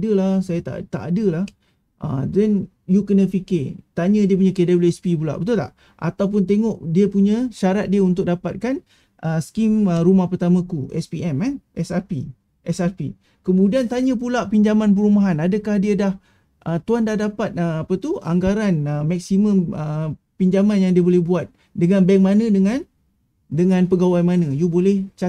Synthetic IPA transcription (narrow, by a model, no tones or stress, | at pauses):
dəlasajat̪a̰ʔt̪a̰ʔadəlah | ʔə̰dɛn | jukənə̃fikɪt̪aɲə̃diəp̬uɲãkedebliɛspipula̰ʔbət̪ula̰ʔ | ʔa̰t̪awp̬ʊnt̪̬eŋɔʔdiəpuɲə̃ʃaɾat̪̚diəunt̪ʊk̚dapat̪̚kan | ʔəskiməɾumahpərt̪amãkuʔɛ̰spiɛmanʔɛsapḭ | ʔɛsarpḭ | kəmudiant̪aɲə̃p̬ulaʔpiɲd͡ʒamanp̬əɾumaɦanadəkahdiədah | ʔət̪uandahdapat̪̚əapət̪uʔa̰ŋɡaɾanəmak̚simə̃mə | piɲd͡ʒamãnjaŋdiəbolɛhbuat̪̚ | dəŋanbɛŋmanə̃dəŋãn | dəŋãnpəɡawajmanə̃jubolɛht͡ʃa